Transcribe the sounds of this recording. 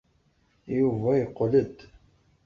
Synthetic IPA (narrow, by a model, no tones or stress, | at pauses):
juvæjəqːləd̪